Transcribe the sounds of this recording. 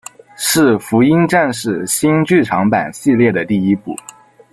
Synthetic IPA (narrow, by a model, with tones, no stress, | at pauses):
ʂɻ̩˥˩fu˧˥i˥ŋʈ͡ʂa˥˧nʂɻ̩˥˩ɕi˥nt͡ɕy˥˩ʈ͡ʂʰɑ˧˥ŋpa̰˨˩nɕi˥˧ljɛ˥˩d̪ə˩t̪i˥˩i˥pu˥˩